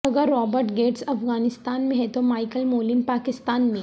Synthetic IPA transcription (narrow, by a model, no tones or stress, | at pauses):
ɐɡəɾːɔːbəɾʈɡeːʈsɐfɣaːnɪst̪aːnmẽɦɛt̪omaːɪkəlmoːlɪmpaːkɪst̪aːnmẽ